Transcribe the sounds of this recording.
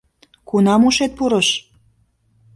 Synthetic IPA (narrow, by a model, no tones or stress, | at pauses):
kunɑmuʃet̪̚puɾəʃ